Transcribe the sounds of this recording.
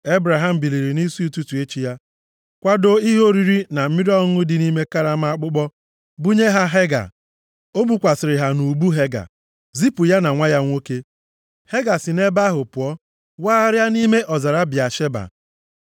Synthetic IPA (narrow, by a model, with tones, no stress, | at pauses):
e˦bɾa˨ɦa˦m̩˨bi˨li˨ɾi˨ni˦si˦u˨tu˦tu˨e˦t͡ʃi˦ja˦ | kʷa˦do˦i˦ɦo˦ɾi˨ɾi˦na˨m̩˦mi˦ɾɔ˦ŋʊ˦dɪ˨ni˦me˦ka˦ɾa˦ma˨a˦k͡pʊ˦k͡pɔ˦ | bu˦ɲe˦ɦa˦ɦe˦ɡa̰˨ | o˦bu˨kʷa˨sɪ˨ɾɪ˨ɦa˨nu˨bu˦ɦe˦ɡa̰˨ | zi˦pu˨ja˦na˨ŋʷa˦ja˦ŋʷo˦ke˦ | he˦ɡa˨sɪ˨ne˦ba˦ɦʊ˨pʊ˨ɔ˦ | waː˦a˦ɾja˦ni˦me˦ʔɔ˨za˨ɾa˦bja˨ʃe˦ba̰˨